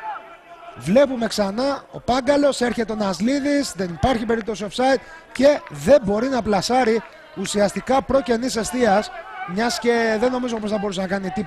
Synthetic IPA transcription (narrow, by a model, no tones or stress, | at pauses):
vle̞pume̞ksɐnɐo̞̰pɐŋɡɐlo̞se̞ɾçe̞t̪eonɐzliðisðe̞nipɐɾçipe̞ɾip̚t̪o̞siofsɐit̪̚ | ce̞ðe̞mbo̞ɾinɐplɐsɐɾi | usiɐst̪ikɐpɾo̞ce̞nise̞st̪iɐsmɲɐsce̞ðe̞no̞mizo̞posθɐbo̞ɾusenɐkɐnit̪ip